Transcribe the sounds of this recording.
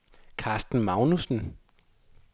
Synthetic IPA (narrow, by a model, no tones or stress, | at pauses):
kʰɑːsd̥n̩mɑ̈ʊnusn̩